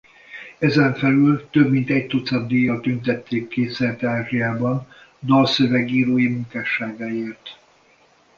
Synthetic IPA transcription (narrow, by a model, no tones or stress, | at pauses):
ɛzɛɱfɛlylt̪øbmint̪ɛc̚t̪ot̪sɒd̪d̪eːjɒlt̪ønt̪ɛt̪ʰːeːkːeːsɛrt̪aːʒijaːbɒn | d̪ɒːsøvɛɡiːɾoːjimuŋkaːʃaːɡaːeːrt̪